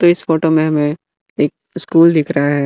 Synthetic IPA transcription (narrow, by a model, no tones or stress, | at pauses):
t̪oɪsfoːʈomẽɦɐmẽ | eːk̚ | ɪskuːld̪ɪkʰɾɐɦaɦɛː